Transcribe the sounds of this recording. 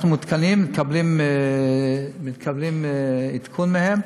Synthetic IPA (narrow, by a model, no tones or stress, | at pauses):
numut̪kanimːikʰablim | mit̪kʰablimit̪kʰunmehem